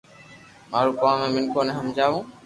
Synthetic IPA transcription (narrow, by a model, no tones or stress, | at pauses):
maːɾuːkãːmẽːmɪnkʰoːneɦəmd͡ʒaːʋũː